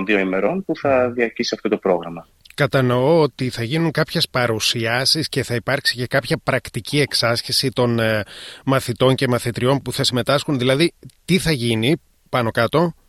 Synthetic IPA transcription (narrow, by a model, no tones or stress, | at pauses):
nðio̞ime̞ɾo̞npuθɐðiɐɾcisiɐft̪o̞t̪o̞pɾo̞ɣɾɐmɐ | kɐt̪ɐno̞oot̪iθɐʝinuŋkɐpçe̞spɐɾusiɐsisce̞θɐipɐɾksice̞kɐpçɐpɾɐkt̪icie̞ksɐsçisit̪o̞n | mɐθit̪o̞ɲce̞mɐθit̪ɾio̞npuθɐsime̞t̪ɐsxunðilɐðit̪iθɐʝini | pɐno̞kɐt̪o̞